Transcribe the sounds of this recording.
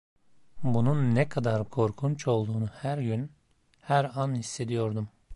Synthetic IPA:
bununːɛkʰad̪aɾkʰo̞ɾkʰunt͡ʃo̞lˠd̪uːnuhæɾɟyn | hæɾanhisːe̞d̪ijo̞ɾd̪um

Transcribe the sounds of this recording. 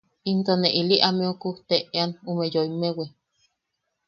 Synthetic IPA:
int̪oneʔiliʔameokuht̪eʔeanumejoimewe

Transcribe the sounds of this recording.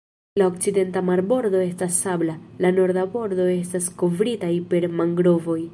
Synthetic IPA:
laok̚t͡side̞ntamaɾbo̞ɾdo̞e̞stasːablalano̞ɾdabo̞ɾdo̞e̞stasko̞vɾitajpe̞ɾmaŋɡɾo̞vo̞j

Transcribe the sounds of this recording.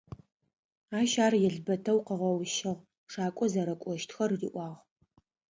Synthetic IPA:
aːʃaːrjɛɮbɐtʰɐwqəʁɐwʃɐʁ | ʂaːkʷʼɔzɐɾɐkʷʼɔʃtʰxɐrriːʔʷɑːʁ

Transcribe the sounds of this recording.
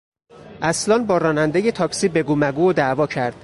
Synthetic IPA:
ʔæslɒːnbɒːɾɒːnænd̪ejet̪ʰɒːksiːbe̞ɡuːmæɡuːod̪ævɒːcʰæɾd̪̥

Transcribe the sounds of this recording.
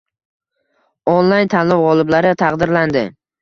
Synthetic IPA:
onlˠajnt̪ʰanlɒwʁɒlˠɪblaɾɪt̪ʰɑqd̪ɪɾland̪ɪ

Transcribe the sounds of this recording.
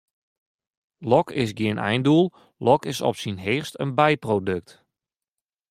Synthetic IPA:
lɔkɪsɡiənʔɛ̰jndulˠ | lɔkɪsɔ̰psinɦɪːχstənbɛjprodøk̚t

